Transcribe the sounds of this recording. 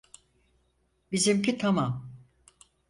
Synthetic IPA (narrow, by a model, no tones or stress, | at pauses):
bizimcʰit̪ʰamam